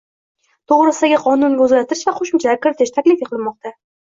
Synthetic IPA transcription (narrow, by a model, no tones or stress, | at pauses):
t̪ʰoʁɾɨsɪd̪aɡʲɪqʰɒnʊnɡʲɵzlat̪ʰɪɾɪʃvaqʰoʃɪmt͡ʃʰakʲʰɪɾɪt̪ʰɪʃt̪ʰakʲlɪfjeqʰlˠɪlmɒqt̪ʰa